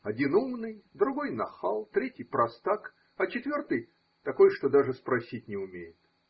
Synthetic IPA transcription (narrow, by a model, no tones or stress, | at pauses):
ɐdʲinumnɨjd̪ɾʊɡo̞jnɐxalˠt̪ɾʲetʲɪjpɾɐst̪ak | ɐt͡ɕɪt̪vʲo̞rt̪ɨj | t̪ɐko̞jʂt̪o̞d̪aʐɨspɾɐsʲitʲnʲɪʊmʲejɪt̪